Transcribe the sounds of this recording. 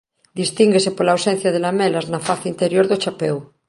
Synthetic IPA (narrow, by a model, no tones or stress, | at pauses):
d̪ist̪iŋɡesepolaːwsen̟θjað̞elamelaznafaθeint̪eɾjoɾðot͡ʃapew